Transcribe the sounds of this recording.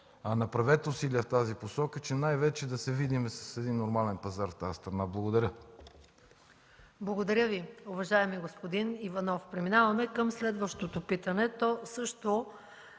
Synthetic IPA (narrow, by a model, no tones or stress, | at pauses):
ɐnɐpɾɐvɛt̪ʊsiliəft̪aziposɔkət͡ʃɛnajvɛt͡ʃɛd̪ɐsɛvid̪imɛsɐ̥sɛd̪inːoɾmalɛnpɐzaɾft̪ast̪ɾɐnablˠɐɡod̪ɐɾʲə | blˠɐɡod̪ɐɾʲəviʊvɐʒaɛmiɛɡospod̪inivɐnɔfpɾɛminavɐmɛkəmslɛd̪vəʃt̪ot̪opit̪ɐnɛt̪ɔsɤʃt̪o